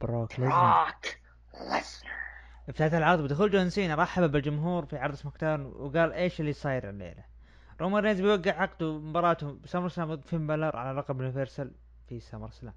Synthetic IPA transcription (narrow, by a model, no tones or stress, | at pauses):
b̥ɾˤoːklɪk | wa̰s | ʔɪft̪aːt̪alʕɑɾˤðˤbɪd̪axuːld͡ʒʊansiːnɾˤɑħːababɪld͡ʒʊmɦuːɾfiʕɑɾˤd̪ˤsmakt̪aːnwɡaːlʔeːʃɪlːisˤɑːjɪɾɪ̰lːḛːla | ɾˤoːmaɾneːzbjwaɡːɪʕʕɑqd̪umɪmbɑɾˤɑːt̪ʊbsamɑɾˤsalaːmd̪fimbalɑɾˤʕa̰lalˤɑqɑbʊnɪfeɾsɑl | fisamɑɾˤsala̰ːm